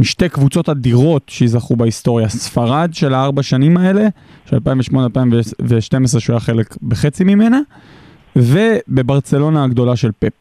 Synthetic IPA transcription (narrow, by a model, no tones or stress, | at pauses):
miʃtejkvut͡so̞tadiʁo̞tʃejizaχubaist̪o̞ʁjasfaʁadʃe̞laaʁbaʃanimae̞le̞ | ʃea̰lpajĩveʃmo̞nealpaimveveʃte̞mesʁeʃojaχe̞le̞kbeχet͡simime̞na | ve̞be̞baʁt͡se̞lo̞naːɡdo̞laʃe̞lpep̚